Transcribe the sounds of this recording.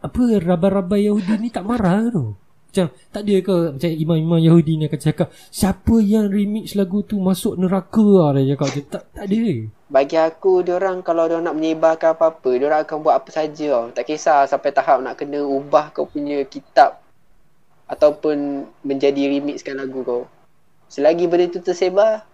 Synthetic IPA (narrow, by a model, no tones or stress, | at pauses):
apərabaɾabajahudinit̪aʔmaɾaht̪o | mat͡ʃam | t̪aʔdəkəmat͡ʃajimãmimãmjahudiniakasakaʔ | siapəjaŋrimɪk̚slaɡut̪umãsʊʔ̚nəɾakəaɾəd͡ʒakaʔd͡ʒət̪aʔt̪aʔdəə | baɡiakudoɾaŋkalawdoɾaŋnaʔməɲebakanapapədoɾaŋakanbuwat̪̚apəsad͡ʒət̪aʔkesasampajt̪aɦap̚naʔkənəubahkawpuɲəkit̪ap̚ | at̪awpʊnmə̃ɲd͡ʒadiɾimɪk̚skanlaɡukaw | səlaɡibənət̪ut̪əseba